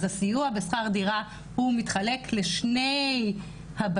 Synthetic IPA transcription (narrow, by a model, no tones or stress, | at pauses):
zasijuabesχaʁdiʁa | humitχale̞kʰleʃnej | hab